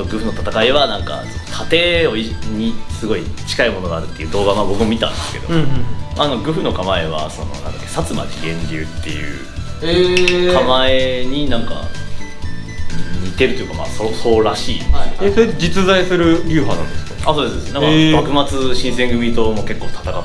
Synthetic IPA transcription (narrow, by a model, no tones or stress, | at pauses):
t̪oɡɯ̟ɸɯ̟no̞t̪at̪akaiβanãŋka̰sonok̪ʰat̪e̞ːo̞iɲʲisɨɡo̞it͡ɕi̥kaimo̞noɡaːɾɯ̟t̪ːe̞jiɯ̟ːd̪o̞ːɡamaːbo̞kɯ̟momʲit̪ã̰nd̪esɨ̥ke̞d̪o̰manakaɡɯ̟ɸɯ̟no̞kamae̞βa̰so̞no̞̰nã̰nd̪a̰kːesat͡sɨma̰kʲiɡẽ̞ɲɾʲɨːt̪ːe̞̰jɯ̟̰ː | ekʰamae̞ɲ̟inãŋka̰ | mʲit̪e̞ɾɯt̪ojɯ̟kama̰ːsoso̞ːɾaɕiːesoɾed͡ʑit͡sɨzaisɨɾɯ̟ɾʲɨːɸanã̰nd̪esɨ̥kḁasoːd̪esɨd̪esnnãŋkabakɯ̟mat͡sɨɕĩɰ̃sẽ̞ŋɡɯ̟bʲit̪o̞mo̞ke̞kːo̞ːt̪ʰḁt̪aka